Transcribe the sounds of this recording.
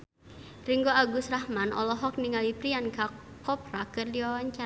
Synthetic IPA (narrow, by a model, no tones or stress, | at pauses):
riŋɡoaɡusrahmanʔɔ̰lɔɦɔk̚niŋalipɾianka | kɔp̚ɾakɨrdiawaɲt͡ʃa